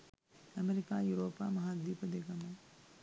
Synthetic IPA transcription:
ɐmeɾɪkajuːɾoːpamɐɦad̪iːpɐd̪eːɡamã

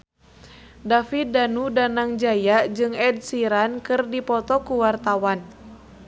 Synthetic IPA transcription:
dafidanudanaŋd͡ʒajad͡ʒɨŋɛd̚siɾankɨrdipɔt̪ɔkuwart̪awan

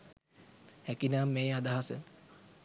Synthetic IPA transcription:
hɛkinaːmːeːad̪aɦasə̰

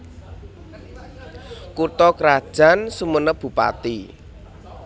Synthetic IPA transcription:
kut̪ɔkɾad̥ʒ̥a̤nsumənəb̥ṳpa̰t̪i

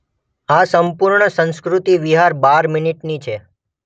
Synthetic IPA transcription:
asəmpuɾɳəsə̃nskɾut̪iʋiɦaɾbaɾminiʈnit͡ʃʰe

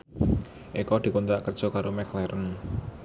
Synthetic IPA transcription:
ʔekɔd̪̥i̤kont̪ɾaʔkərd̥ʒ̥ɔ̤kaɾomɛklɛɾʔən

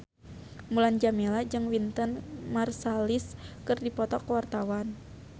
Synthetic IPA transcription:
muland͡ʒamelad͡ʒɨŋwint̪ənmarsaliskɨrdipɔt̪ɔkwart̪awan

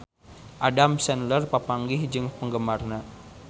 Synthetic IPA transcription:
ʔadamsɛnlərpapaŋɡɪhd͡ʒɨŋpəŋɡəmarna

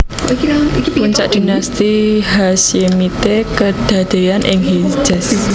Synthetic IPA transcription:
puɲt͡ʃaʔd̪̥i̤nast̪iɦasjemit̪ekəd̪̥a̤d̪̥e̤janʔɪŋɦi̥d͡ʒ̥as

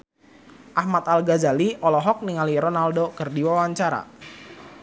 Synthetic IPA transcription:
ʔahmat̪alɡazaliʔɔlɔɦɔk̚niŋaliɾɔnaldokərdiwawaɲt͡ʃaɾa̰

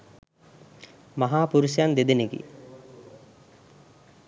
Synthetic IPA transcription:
maɦaːpuɾusjand̪ed̪eneɡḭ

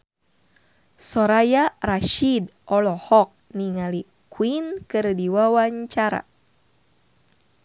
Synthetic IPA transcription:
sɔɾajaraʃidʔɔlɔhɔk̚niŋali | kwinkɨrdiwawaɲt͡ʃaɾa̰

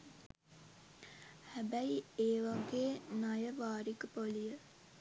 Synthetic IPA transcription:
hæbæieːʋaɡeːnajəʋaːɾikəpolijə

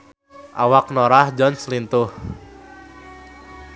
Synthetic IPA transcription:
ʔa̰wak̚noɾahd͡ʒɔnslint̪ʊh

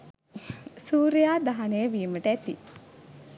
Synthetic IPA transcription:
suːɾijaːd̪aɦanejəʋiːməʈəæt̪i

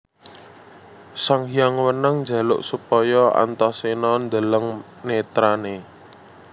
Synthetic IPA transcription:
saŋjaŋwənaŋnd͡ʒa̤lʊ̰ʔsupɔjɔa̰nt̪ɔsenɔnd̪ələŋ | net̪ɾane

